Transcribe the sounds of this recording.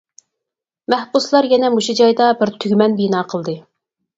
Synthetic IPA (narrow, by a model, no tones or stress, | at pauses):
mæhbuslˠɑɾjɛnɛmuʃud͡ʒɑjd̪ɑbɪɾt̪ʰyɡʲmɛnbijnɑːqʰəlˠd̪ɨ